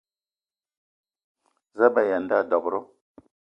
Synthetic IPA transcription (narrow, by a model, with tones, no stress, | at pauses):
zə˦ba˦ja˨n˦da˦˨dɔ˨bɾɔ˦